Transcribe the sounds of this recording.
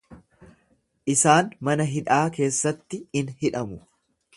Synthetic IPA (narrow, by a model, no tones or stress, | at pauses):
ʔɪsaːnmɐnɐɦɪᶑaːke̞ːsːɐt̪ːɪɪnhɪᶑɐmʊ